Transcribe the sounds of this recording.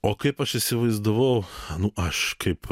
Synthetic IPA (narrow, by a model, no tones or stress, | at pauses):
oːkɐɪpɐʃɪsʲɪʋɐɪzd̪ʊʋɐʊnʊɐʃkɐɪp